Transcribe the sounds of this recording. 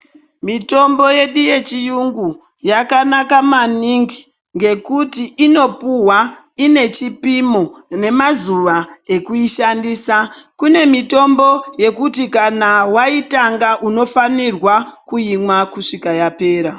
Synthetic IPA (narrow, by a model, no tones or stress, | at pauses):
mito̞mbo̞je̞ɗije̞t͡ʃijuŋɡu | jakanakamaniŋɡi | ŋɡe̞kutiʔino̞puwa | ine̞t͡ʃipimone̞mazuʋae̞kuiʃandiːsakune̞mito̞mbo̞je̞kutikanawaitaŋɡaʔuno̞fanirwakujimwakuʂikajape̞ːɾa